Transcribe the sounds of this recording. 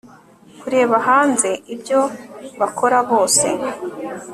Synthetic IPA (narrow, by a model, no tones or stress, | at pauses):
kuɾeːβaɦaːnze̞ʔibjo̞βakʰo̞ɾaβo̞ːse̞